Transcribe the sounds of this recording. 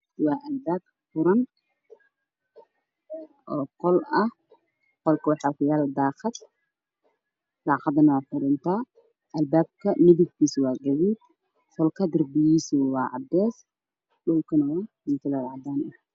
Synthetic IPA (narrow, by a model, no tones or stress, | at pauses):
wɑːʔɐlbaːb̚ | fʊɾɐn | ʔɔːqɔlɐh | qɔlkʰɐwɑħɑːkʊjaːld̪ɑːqɑd̪ | d̪̥ɑːqɑd̪ɐnɐwaːfʊɾɪnt̪ʰa | ʔɐlbaːb̚kʰɐnɪðɪɡkiːswɑːɡɐðiːd̪̚ | fɔlkʰɐd̪ɪrbɪjiːsʊwɑːʕɑ̰d̪ɛːs | ɗʊlkʰɐnɐwamɪk̪ʰɪlaɾaʕd̪aːnʔɛ